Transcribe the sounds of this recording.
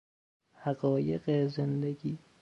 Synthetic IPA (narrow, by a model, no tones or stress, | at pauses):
hæɣɒːjeɣezend̪eɡiː